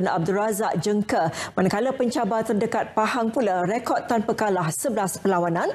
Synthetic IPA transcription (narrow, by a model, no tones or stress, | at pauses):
ana̰b̚durazaʔ̚d͡ʒəŋkəmãnakalapəɲt͡ʃabat̪ərdəkat̪̚pahaŋpulaɾekɔd̪̚t̪anpəkalahsəblaspəlawanãn